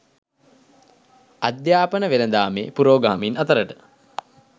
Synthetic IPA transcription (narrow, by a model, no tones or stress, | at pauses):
ad̪jaːpənəʋelənd̪aːmḛːpuɾoːɡaːminat̪əɾəʈə̥